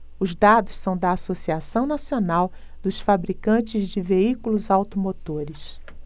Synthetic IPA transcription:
ʊzd̪ad̪ʊssɐ̃w̃d̪ɐasosiasɐ̃w̃nasionaw | d̪ʊsfabɾikɐ̃t͡ʃɪzd͡ʒɪveikulʊzawt̪omot̪oɾɪs

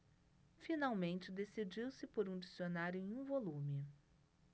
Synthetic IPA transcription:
finawmẽnt͡ʃɪd̪esid͡ʒiwsɪpoɾũd͡ʒisionaɾjʊẽj̃ũvolũmɪ

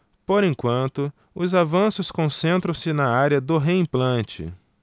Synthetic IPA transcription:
poɾẽkwɐ̃nt̪ʊ | ʊzavɐ̃sʊskõsẽnt̪ɾɐ̃w̃sɪnɐaɾjɐd̪ʊɦeĩplɐ̃t͡ʃɪ̰

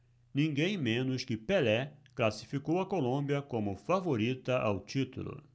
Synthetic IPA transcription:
nĩŋɡẽj̃mẽnʊskɪpelɛklasi̥fikowɐkolõmbjɐkõmʊfavoɾit̪ɐʔa̰wt͡ʃit̪ṵlʊ̰

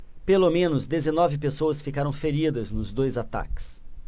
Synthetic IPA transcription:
pelomẽnʊzd̪ezenɔvɪpesowɐsfikaɾɐ̃w̃feɾid̪ɐznʊzd̪ojzat̪a̰kɪ̥s

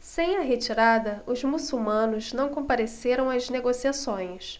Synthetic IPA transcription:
sẽj̃ɐɦet͡ʃiɾad̪ɐʊzmusuwmɐ̃nʊznɐ̃w̃kõpaɾeseɾɐ̃w̃ɐzneɡosiasõj̃s

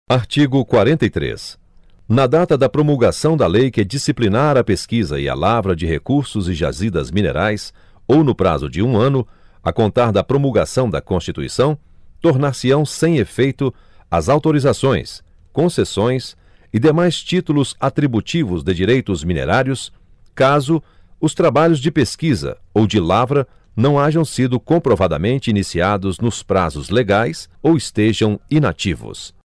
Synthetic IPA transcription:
aɾt͡ʃiɡʊkwaɾẽnt̪ɐijt̪ɾḛs | nɐd̪at̪ɐd̪ɐpɾomulɡasɐ̃w̃d̪ɐlejkɪd͡ʒisiplinaɾɐpeskizɐ̰ɪ̰a̰lavɾɐd͡ʒɪɦekuɾsʊzɪʒa̰zid̪ɐzminḛɾajs | ownʊpɾa̰zʊd͡ʒɪũɐ̃nʊɐkõnt̪aɾd̪ɐpɾomulɡasɐ̃w̃d̪ɐkõst͡ʃit̪uḭsɐ̃w̃ | t̪oɾnaɾsiɐ̃w̃sẽj̃efejt̪ʊ | ɐzawt̪oɾizasõj̃s | kõsesõj̃s | ɪd̪emajst͡ʃit̪ulʊzat̪ɾibut͡ʃivʊzd̪ɪd͡ʒiɾejt̪ʊzminḛɾaɾjʊs | kazʊ | ʊst̪ɾabaʎʊzd͡ʒɪpeskizɐ̰owd͡ʒɪlavɾɐ | nɐ̃w̃aʒɐ̃w̃sid̪ʊkõmpɾovad̪ɐ̰mẽnt͡ʃɪinisiad̪ʊznʊspɾa̰zʊzleɡajsowɪst̪eʒɐ̃w̃ina̰t͡ʃivʊ̰s

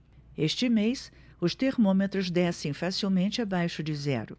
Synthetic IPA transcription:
eʃt͡ʃɪmejs | ʊst̪eɾmõmet̪ɾʊzd̪ɛsẽj̃fasiwmẽnt͡ʃɪabajʃʊd͡ʒɪzɛ̰ɾʊ

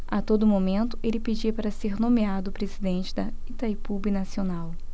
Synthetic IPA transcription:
at̪od̪ʊmomẽnt̪ʊ̥ʔelɪped͡ʒiɐpaɾɐseɾnõmead̪ʊpɾezid̪ẽnt͡ʃɪd̪ɐit̪ajpubinasionaw

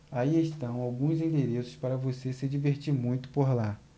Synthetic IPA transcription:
aieʃt̪ɐ̃w̃awɡũzĩnd̪eɾesʊ̥spaɾɐvosesɪd͡ʒiveɾt͡ʃiɾmũj̃t̪ʊ̥poɾla

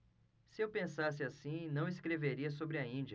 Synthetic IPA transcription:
sɪewpẽsasɪasĩnɐ̃w̃ɪskɾeveɾiɐsobɾɪɐĩd͡ʒɐ

